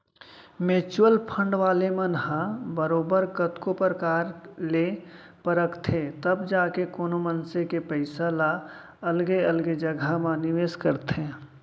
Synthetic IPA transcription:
meːt͡ʃwəlpʰə̃ɳɖʋaːlemənɦãbəɾoːbəɾkət̪kopəɾəkaːɾle | pəɾəkt̪ʰet̪əbd͡ʒaːkekoːnomənsekepəɪsala | əlɡeəlɡed͡ʒəɡʱamãnɪʋeːskəɾt̪ẽː

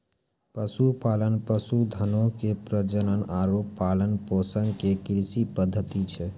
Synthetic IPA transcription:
pəsupaːlənpəsud̪ʱənõkepɾəd͡ʒənənaːɾoːpːaːlənpoːsəŋɡkekɾsipəd̪ʱːət̪it͡ʃʰɛ

